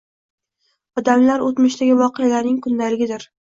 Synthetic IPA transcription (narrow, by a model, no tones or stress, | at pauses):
ɒd̪amlaɾot̪mɪʃd̪aɡʲɪvɒqɨjalaɾnɪŋkʰʊnd̪alɪɡʲɪd̪ɪɾ